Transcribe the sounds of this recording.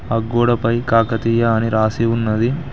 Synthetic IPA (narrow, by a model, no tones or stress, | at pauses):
ɐɡːoːɽɐpɐjkaːkɐt̪ijɐːniɾaːsiunːɐd̪i